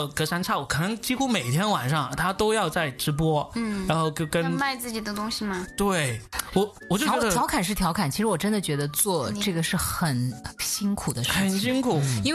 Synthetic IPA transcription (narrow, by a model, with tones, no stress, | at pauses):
kɤ˧˥ʂa˥nt͡sʰa˥˩wɔ˨˩kʰɤ˨˩nɤ˥ŋt͡ɕi˥xu˥me˨˩ɪt̪ʰjɛ˥nwa˨˩nʂɑ˥˩ŋt̪ʰa˥t̪o˥ʊjɑ˥˧ʊt͡sa˥˩ɪʈ͡ʂɻ̩˧˥p̬wɔ˥˩ɻa˧˥nxo˥˧ʊt͡ɕo˥˧ʊkə˥nma˥˧ɪt͡sɹ̩˥˩t͡ɕi˨˩d̪ə˦t̪ʊ˥ŋɕi˨˩mɐ˧t̪we˥˩ɪwɔ˨˩ | ɔ˨˩t͡ɕo˥˩˥ɥɛ˥jɑ˧˥ʊkʰa˨˩nʂ̬ɻ̩˥˩t̪ʰjɑ˧˥ʊkʰa˨˩nt͡ɕʰi˧˥ʂɻ̩˧˥wɔ˨˩ʈ͡ʂə˥nd̪ə˨t͡ɕɥɛ˧˥d̪ə˧t͡swɔ˥˧ʈ͡ʂɤ˥˩ɡə˩ʂɻ̩˥˩xə˨˩nɕi˥nkʰu˨˩d̪ə˦ʂ̩ə˥˨˩nɕi˥ŋkʰu˨˩˦i˥w